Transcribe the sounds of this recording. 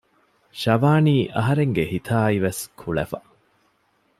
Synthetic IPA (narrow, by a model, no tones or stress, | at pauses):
ʃɐʋaːniːʔɐɦɐɾeŋɡehit̪ʰaːiʋeskʰuɭɐ̰fɐ